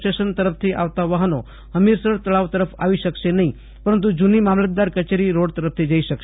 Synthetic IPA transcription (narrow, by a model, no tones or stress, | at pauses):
ʈeʃənt̪əɾəpʰt̪ʰiʔa̰ʋt̪aʋaɦəno | əmiɾsəɾt̪əɭaʋt̪əɾəpʰa̰ʋiʃəkʃenəɦĩ | pəɾənt̪̬ud͡ʒunimamlət̪̚d̪aɾkət͡ʃeɾiɾoɽt̪əɾəp̚ʰt̪ʰid͡ʒaiʃəkʃ